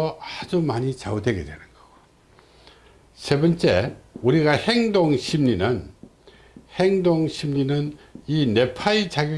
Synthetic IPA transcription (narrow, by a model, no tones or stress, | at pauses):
ʌd͡ʑumaɲit͡ɕawodwe̞ɡedwenɯnɡ̥ʌɡ̥o | se̞bʌnt͡ɕ͈e̞uɾiɡaheŋdoŋɕʰimɲinɯn | heŋdoŋɕʰimɲinɯnine̞pʰait͡ɕaɡjʌ